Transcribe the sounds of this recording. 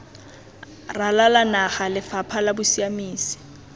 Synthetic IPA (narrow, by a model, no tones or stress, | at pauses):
ralalanaχalɪfapʰalabʊsiamiːsi̥